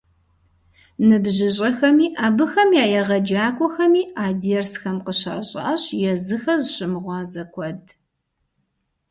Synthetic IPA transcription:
nɨbʑɪɕʼɐxɐmiːʔaːbɨxɐmjaːjɛʁɐd͡ʒaːkʷʼɔxɐmiːaːdiɛrsxɐmqəɕa̰ːɕʼɐ̰ʔɐɕjɛzɨxɐzɕɪmɨʁʷɑːzɐkʷʰɔd̚

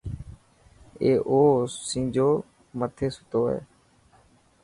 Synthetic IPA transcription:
eːʔoːsĩːd͡ʒoː | mət̪ʰeːsʊ̥t̪oːɦḛː

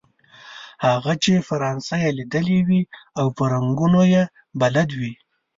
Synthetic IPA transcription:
haɣat͡ʃefaɾɑnsajelid̪əlewiawpaɾaŋɡunoje | balad̪wi

